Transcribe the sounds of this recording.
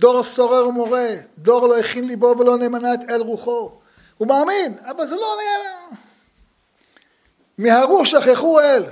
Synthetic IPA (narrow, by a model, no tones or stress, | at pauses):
d̪o̞ʁsoʁeʁumoʁed̪o̞ʁloiχinlibovelo̞nemanaet̪elʁuχo̞ | umaːminavalzelonia | miɦaʁuʃaχjaχuel